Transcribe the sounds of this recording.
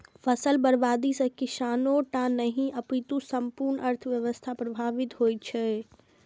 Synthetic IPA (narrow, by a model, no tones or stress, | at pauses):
fʰəsəlbəɾbaːd̪isə̃kɪsaːnoʈãnəɦĩʔəpit̪usəmpuɾnʔəɾt̪ʰʋjəʋəst̪ʰapɾəbʱaːʋɪt̪ɦoːjt͡ʃʰɛ